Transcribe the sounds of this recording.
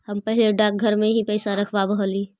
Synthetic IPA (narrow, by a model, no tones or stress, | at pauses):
həmpəɦɪleɖak̚ɡʱəɾmeɦipəɪsaɾəkʰbabəɦəli